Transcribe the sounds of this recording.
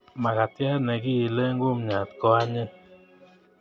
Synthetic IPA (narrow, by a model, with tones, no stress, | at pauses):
ma˨ka˨tja˦nɛ˨ɡi˦ji˨le˦ŋɡʊ˦m˨ɲa˨tkɔ˦a˦ɲɪ˦